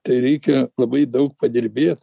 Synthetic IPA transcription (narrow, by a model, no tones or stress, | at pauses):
t̪ɐɪɾʲɛɪkʲɛlˠɐbɐɪd̪ɐʊk̚pɐd̪ʲɪɾʲbʲeːt̪